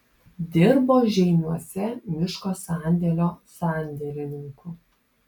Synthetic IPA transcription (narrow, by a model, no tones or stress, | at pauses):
d̪ʲɪɾboːʒʲɛɪnʲuɔsʲɛmʲɪʃkoːsɑˑnʲd̪ʲɛlʲoːsɑˑnʲd̪ʲɛlʲɪnʲɪŋku